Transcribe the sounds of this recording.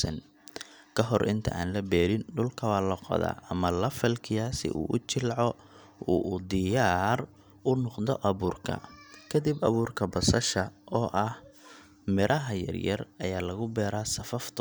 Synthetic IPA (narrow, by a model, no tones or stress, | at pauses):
sɐn | kʰɐɦɔrʔɪ̰nt̪ʰɐ̰ʔaːnlɐbɛːɾɪnɖʊlkʰɐwaːlɐqɔ̰ða̰ːʔɐmɐlɐfɐlkʰɪjaːsɪ̰ʔṵːʔʊt͡ʃɪlʕɔ | uːʔd̪ɪjaːr | ʔʊnɔqd̪ɔʔɐβuːrkʰɐ̰kʰɐd̪ibɐ̰βuːrkʰɐbɐsɐʃɐʔɔːʔɐh | mɪɾʔɐɦɐjɐ̰rjɐ̰rɐjaːlɐɣʊbɛːɾaːsɐfɐft̪ʰ